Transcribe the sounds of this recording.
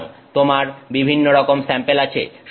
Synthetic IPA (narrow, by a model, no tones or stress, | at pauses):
ŋt̪omaɾbibʱinːoɾɔkomsɛmpelat͡ɕʰḛʃ